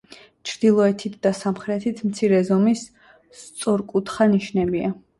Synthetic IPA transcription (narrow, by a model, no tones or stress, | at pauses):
t͡ʃʰɾd̪̥ilˠɔɛt̪ʰit̪ʰd̪asamχɾɛt̪ʰit̪ʰmt̪sʰiɾɛzɔmis | t̪sʼɔɾkʼut̪ʰχaniʃnɛbia